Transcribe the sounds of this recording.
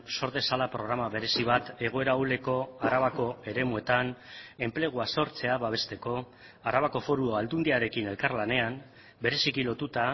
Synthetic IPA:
so̞ɾðe̞salapɾo̞ɣ̞ɾamaβe̞ɾe̞siβat̪e̞ɣ̞o̞e̞ɾaule̞ko̞aɾaβako̞e̞ɾe̞mue̞t̪ane̞mple̞ɣ̞uaso̞ɾt͡se̞aβaβ̞e̞st̪e̞ko̞ | aɾaβako̞fo̞ɾuoald̪und̪iaɾe̞kine̞lkaɾlane̞am | be̞ɾe̞sikilo̞t̪ut̪a

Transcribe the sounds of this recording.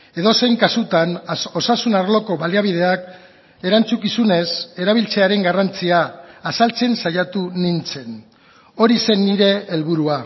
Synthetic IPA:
e̞ðo̞se̞jŋkasut̪ano̞sasunaɾlo̞ko̞βaliaβ̞ið̞e̞ak | e̞ɾant͡sukisune̞se̞ɾaβ̞ilt͡se̞aɾe̞ŋɡarant͡siaːsalt͡se̞nsajat̪unint͡se̞n | o̞ɾise̞nːiɾe̞ːlβuɾua

